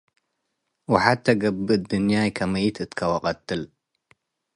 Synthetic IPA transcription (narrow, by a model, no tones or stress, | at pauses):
waħat̪ːɐɡɐbːɨd̪unjajkʰɐmɐjit̪ʰɨt̪kʰɐwɐqʼɐt̪ːɨl